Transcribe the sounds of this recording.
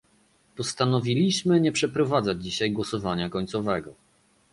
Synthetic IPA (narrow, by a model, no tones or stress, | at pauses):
pɔst̪anɔvʲilʲiɕmɘɲɛpʂɛpɾɔvad̪zad͡ʑd͡ʑiɕajɡwɔsɔvaɲakɔɲtsɔvɛɡɔ